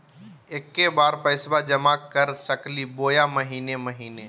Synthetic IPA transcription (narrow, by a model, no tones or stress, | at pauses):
eːkːebaːɾpəɪsbad͡ʒəmakəɾsəkliboːjaməɦiːneməɦiːne